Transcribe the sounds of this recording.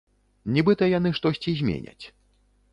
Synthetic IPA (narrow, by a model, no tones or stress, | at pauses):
nʲibɨt̪ɐjan̪ɨʂt̪ɔsʲt͡sʲizʲmʲḛnʲɐ̰t͡sʲ